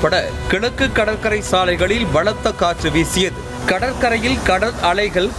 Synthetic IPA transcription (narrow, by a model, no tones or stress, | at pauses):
pːɐɽɐ̰kɪɭɐkːɯkːɐɽɐɾkɐɾɐɪsaːlɐɪɣɐɭɪlʋɐlɐt̪ːɐkːaːʈrɯʋeːsɪjɐðɯ | kɐɽɐɾkɐɾɐjɪlkɐɽɐɾɐɭɐɪɣɐɭ